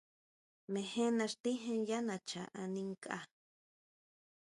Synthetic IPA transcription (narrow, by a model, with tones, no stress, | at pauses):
mẽ˨hẽ˦nã˧ʂt̪i˦ɦẽ˦˧ja˦nã˨t͡ʃʰa̰˨ʔa˧nĩ˧ŋkʼa̰˨